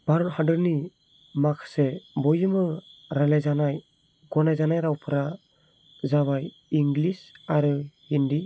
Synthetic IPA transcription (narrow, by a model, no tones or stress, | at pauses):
b̥aɾɔthadɯɾni | makʰsebɔjɯmɯɾalajzanaj | ɡɔnajzanajɾawpʰɯɾa | zaβaj | iŋɡlisaɾɯhindi